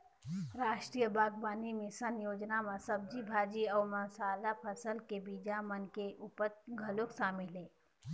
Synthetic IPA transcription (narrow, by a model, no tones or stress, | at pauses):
ɾaːʃʈɾijəbaːɡ̚baːnimẽsənjoːd͡ʒnamɐsɐb̚d͡ʒibʱaːd͡ʒiɔːmɐɦsaːlapʰəsəlkebiːd͡ʒamənkeʔuːpəɾɡʱəloksaːmɪlɦɛː